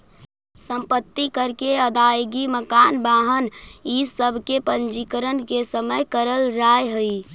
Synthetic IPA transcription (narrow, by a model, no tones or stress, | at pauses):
sə̃mpət̪ːikəɾkeəd̪ajɡiməkanbaɦənisəbʱkepənd͡ʒikəɾənkesəməjkəɾəld͡ʒaeɦəi